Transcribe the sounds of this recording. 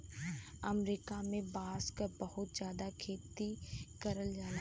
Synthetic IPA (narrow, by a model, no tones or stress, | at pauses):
əmɾiːkamẽbaːskbɐhʊt̪zjaːd̪akʰeːt̪ikɐɾəld͡ʒaːla